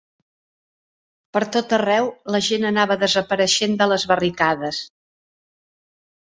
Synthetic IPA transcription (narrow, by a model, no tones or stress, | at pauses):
pəɾt̪ot̪ərɛwləʒenənaβəðəzəpəɾəʃend̪ələzβərikaðəs